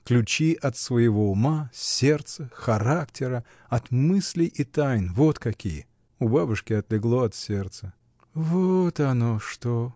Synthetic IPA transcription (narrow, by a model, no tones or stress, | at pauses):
klʲʉt͡ɕiʔɐt̪svəjɪvo̞ʊmasʲert̪səxɐɾaktʲɪɾə | ɐt̪mɨsʲlʲɪjʔit̪ajnvo̞t̪kɐkʲijə | ʊbabʊʂkʲɪɐt̪lʲɪɡlˠoɐt̪sʲe̞rt̪sə | vot̪ɐnoʂt̪o